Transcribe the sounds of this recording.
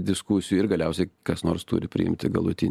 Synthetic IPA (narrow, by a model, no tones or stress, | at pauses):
d̪ʲɪskuːsʲɪjuːɪrɡɐlʲɛʊsʲɛɪkɐsnoːrst̪uːɾʲɪpʲɾʲɪ̰ɪ̰mʲt̪ʲɪɡɐ̰lˠʊt̪ʲɪnʲ